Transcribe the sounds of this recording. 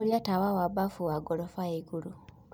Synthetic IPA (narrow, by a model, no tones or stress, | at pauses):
ljatawawabafuwaɡolofaiɡulu